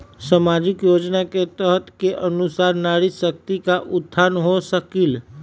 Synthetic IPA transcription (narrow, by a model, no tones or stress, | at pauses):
səmad͡ʒɪkjoːd͡ʒnaket̪əɦt̪keʔənʊsaːɾnaːɾisək̚t̪ikaʔʊd̪ʱːaːnɦosəkil